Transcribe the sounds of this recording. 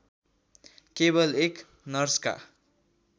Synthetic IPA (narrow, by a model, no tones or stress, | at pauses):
kebʌlek | nʌrska̰